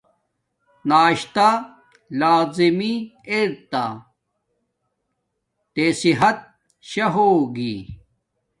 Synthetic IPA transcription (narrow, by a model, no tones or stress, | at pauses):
naːɕt̪a | laːzimieɾt̪a | t̪esiɦɐt̪̚ | ɕɐɦoːɡi